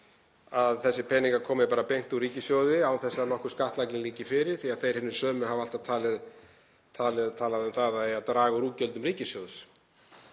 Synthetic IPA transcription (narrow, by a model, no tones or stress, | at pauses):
aðθɛsːɪpʰɛniŋkaɾkʰɔːmɪpaːɾapejŋ̥t̪uɾiːcɪsjowðɪawθɛsːanɔhkʏ̥ɾskaht̪lajknɪnliːcɪfɪɾɪɾ̥θiaðθejɾ̥hɪnːʏ̥sœːmʏɦaval̥t̪ḁt̪ʰaːlɪð | t̪ʰaːlɪt̪ʰaːlaðʏmθaðaðɛjat̪ɾaːɣaɾuːcœlt̪ʏmriːcɪsjowðs